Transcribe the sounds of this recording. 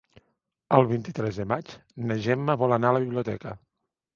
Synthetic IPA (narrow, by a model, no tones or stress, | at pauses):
əlˠβint̪it̪ɾɛzðəmat͡ʃnəʒɛmːəβɔlənaələβiβliut̪ɛkə